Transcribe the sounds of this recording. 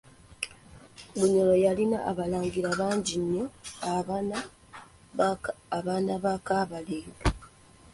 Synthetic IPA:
ɡuɲolojalina̰ʔaβalaːŋɡiɾaβaːɲɟiɲːo̞aana | βaːnaβakaːβaleːɡa

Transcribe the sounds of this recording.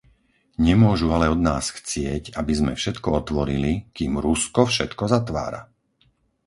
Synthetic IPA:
ɲɛmʊɔʒualɛɔd̪naːsxt͡sɪɛcabizmɛ̰fʃɛt̪kɔɔt̪ʋɔɾilikiːmɾuskɔfʃɛt̪kɔzat̪ʋa̰ːɾa̰

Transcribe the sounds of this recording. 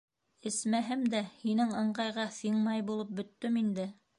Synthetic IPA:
ɘ̆smæɦɘmd̪æhinɘŋɤ̆ɴɢɑjʁɑθiɴmɑjbulˠɤp̚bɵ̆t̪ːɵmind̪ɘ

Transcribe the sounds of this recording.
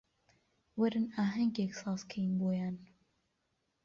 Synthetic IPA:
wɛɾɨnaːɦɛŋɡeksɑːzkʰejinboːjaːn

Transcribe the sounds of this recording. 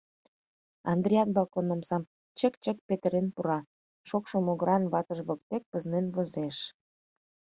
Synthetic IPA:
ɑnd̪ɾʲiɑt̪̚bɑlkonomsɑm | t͡ɕəkt͡ɕək̚pet̪əɾenpuɾɑ | ʃokʃŏmoɣəɾɑnβɑt̪əʒβok̚t̪ek̚pəznenβozeʃ

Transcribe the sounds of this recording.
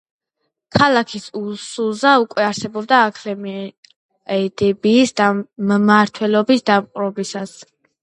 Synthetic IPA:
kʰalakʰisulsulˠzaukʼwɛaɾsɛbɔb̚d̪aːkʰlɛm | ɛd̪ɛbiːsd̪ammaɾt̪ʰwɛlɔbisd̪amqʼɾɔbisas

